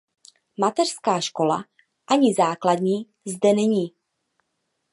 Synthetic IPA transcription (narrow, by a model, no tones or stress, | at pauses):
mat̪ɛr̥skaːʃko̞la̰ | ʔaɲɪzaːkladɲiː | zdɛnɛɲiː